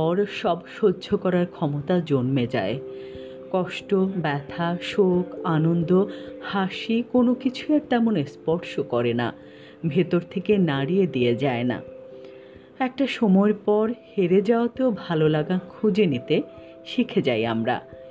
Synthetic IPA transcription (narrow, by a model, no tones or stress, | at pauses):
ɔɾʃɔbʃodːd͡ʑʱokɔɾaɾkʰɔmot̪ad͡ʑonmed͡ʑa̰e | kɔʃʈobɛt̪ʰaʃokanond̪ohaʃikonokit͡ɕʰueɾt̪ɛmonespɔɾʃokɔɾena̰ | bʱet̪oɾt̪ʰekenaɽijed̪ijed͡ʑaena̰ | ɛk̚ʈaʃɔmɔeɾpɔɾheɾed͡ʑaot̪eobʱalolaɡakʰud͡ʑenit̪e | ʃikʰed͡ʑajamɾa̰